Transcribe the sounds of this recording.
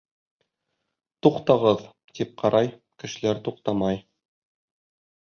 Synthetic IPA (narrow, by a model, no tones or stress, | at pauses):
t̪uqt̪ɑʁɤð | t̪ip̚qʰɑɾʔɑj | kɘ̆ʃɘ̆læɾt̪uqt̪ɑmɑj